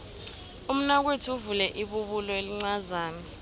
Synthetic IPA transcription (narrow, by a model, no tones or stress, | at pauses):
um̩nak̬wetʰiuvulɛʔiɓuɓulɔeliŋ͡ǀazaːnɛ